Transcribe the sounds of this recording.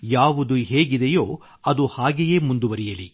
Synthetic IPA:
jaːʋud̪uɦeːɡid̪ejo̞ː | ɐd̪uhaːɡeje̞ːmund̪uʋɐɾijɐli

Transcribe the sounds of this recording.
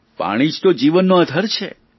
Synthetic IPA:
pa̰ɽ̃id͡ʒt̪od͡ʒiʋənːoəd̪ʱəɾt͡ʃʰḛ

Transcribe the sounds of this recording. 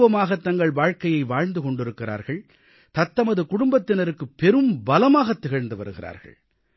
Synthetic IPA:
ʋɐmaːɣɐt̪ːɐŋɡɐɭʋaːɻkɐjɐɪʋaːɻnd̪ɯkɔɳɖɪɾɯkːɪɾa̰ːɾɣɐɭ | t̪ɐt̪ːɐmɐðɯkʊɽʊmbɐt̪ːɪnɐɾɯkːɯpːɛɾɯmbɐlɐmaːɣɐt̪ːɪɣɐɻnd̪ɯʋɐ̰ɾɯɣɪra̰ːɾɣɐ̰ɭ

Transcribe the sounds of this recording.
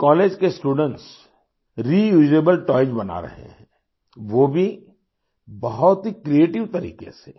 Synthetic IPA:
kɔːleːd͡ʒkesʈuːɖə̃ɳʈs | ɾijuːd͡ʒɾeːbəlʈɔːɪd͡ʒbɐna̰ɾɐ̰ɦḛɦɛ̃ | ʋoːbʱi | bɐɦʊt̪ɦikɾieːʈɪʋt̪ɐɾḭːkḛse

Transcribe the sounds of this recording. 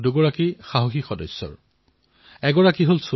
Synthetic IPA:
duɡɔɹakixaɦoxixɔdɔsːɔ̰ɹ | ɛɡɔɹakiɦols

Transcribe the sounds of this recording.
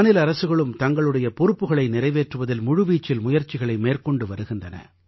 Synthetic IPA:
nɪlɐɾɐsɯɣɐɭɯmt̪ɐŋɡɐɭɯɽɐjɐpɔɾɯpːɯɣɐɭɐɪnɪɾɐɪʋeːʈrɯʋɐðɪlmʊɻɯʋiːt͡ʃːɪlmʊjɐɾt͡ʃɪɣɐɭɐɪmeːrkɔɳɖɯʋɐɾɯɣɪndrɐnɐ̰

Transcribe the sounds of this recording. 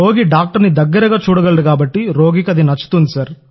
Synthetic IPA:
oːɡiɖaːk̚ʈɐɾnid̪ɐɡːɐɾɐɡaːt͡ʃuːɽɐɡɐɭɐɽukaːbɐʈːiɾo̞ːɡikɐd̪inɐt͡ʃːu̥t̪und̪isɐɾ

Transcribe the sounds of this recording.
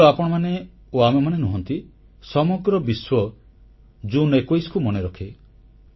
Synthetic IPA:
apɔɽ̃ɔmane | oamemanenuɦɔnt̪i | sɔmɔɡɾɔbiswɔ | d͡ʒunekojskumɔneɾɔkʰe

